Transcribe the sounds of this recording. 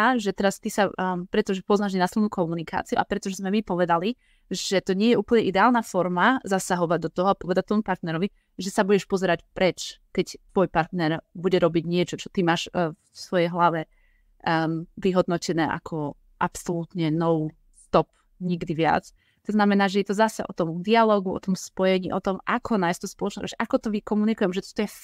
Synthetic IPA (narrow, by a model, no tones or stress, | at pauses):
aʒɛt̪ɛɾast̪isapɾɛt̪ɔʒɛpɔznaʒɲɛnasilnuːkɔmunika̰ːt͡siuʔapɾɛt̪ɔʒɛzmɛmipɔʋɛd̪ali | ʒɛt̪ɔɲɪɛjɛʔuːpəl̩ɲɛʔid̪ɛaːlnafɔɾmazasaɦɔʋaɟ̚d̪ɔt̪ɔɦɔapɔʋɛd̪at̪ʋɔmupaɾt̪nɛɾɔʋi | ʒɛsabuɟɛʃpɔzɛɾacpɾɛt͡ʃkɛct̪ʋɔjpaɾt̪nɛɾbuɟɛɾɔbiɟɲɪɛt͡ʃɔt͡ʃɔ̥t̪imaːʃffsʋɔjɛjɦlaʋɛ | ʋiɦɔd̪nɔcɛnɛːʔa̰kʰɔ | ʔapsɔlut̪ɲɛnɔʊ | st̪ɔp̚ | ɲiɡd̪iʋɪa̰t͡s | t̪ɔznamɛnaːʒɛjɛt̪ɔzasɛ̰ʔɔt̪ɔmd̪ialɔːɡuɔ̰t̪ɔmspɔjɛɲiːʔɔt̪ɔmʔa̰kʰɔnajst̪ɔspɔlɔt͡ʃnɛɾɔ̰ʃʔakɔt̪ɔʋikɔmunikujɛmʒɛt̪ɔ̥t̪ɔjɛ